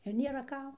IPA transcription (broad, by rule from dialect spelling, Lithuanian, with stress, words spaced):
ɪr ˈnʲeːrɐ ˈkɐm